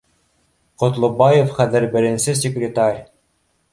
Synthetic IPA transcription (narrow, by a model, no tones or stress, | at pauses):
qŏt̪lˠŏbɑjefχæðɘ̆ɾbɘ̆ɾɘ̆nsɘs̬ʲekrʲet̪ɑrʲ